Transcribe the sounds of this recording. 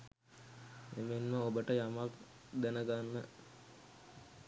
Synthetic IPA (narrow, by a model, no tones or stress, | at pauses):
emenməobəʈəjamak | d̪ænəɡanːə